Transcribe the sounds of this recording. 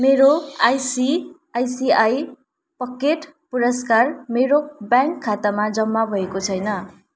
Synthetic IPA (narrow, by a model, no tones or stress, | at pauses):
meɾoajsi | ajsiaj | pʌkeʈpuɾʌskarmeɾobjãŋkʰːat̪amad͡zʌmːabʱʌekot͡sʰʌjnʌ